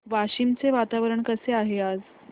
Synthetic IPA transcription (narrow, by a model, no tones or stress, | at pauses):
ʋaɕimt͡seʋat̪aʋəɾəɳkəseaɦead͡z